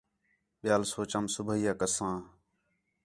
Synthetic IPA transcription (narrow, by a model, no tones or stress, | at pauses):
ɓɪjaːlsoːt͡ʃamsʊbʱəɦiːaːkəsãː